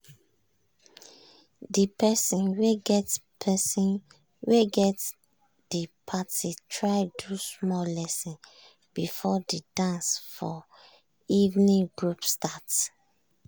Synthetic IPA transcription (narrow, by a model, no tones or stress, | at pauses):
dipɛsĩnweɡɛtpʰɛsĩn | weɡɛt | dipʰatitʰɹaɪdusmɔlɛsɔ̃n | bifɔdidãnsfɔ | ivnĩɡɹupstat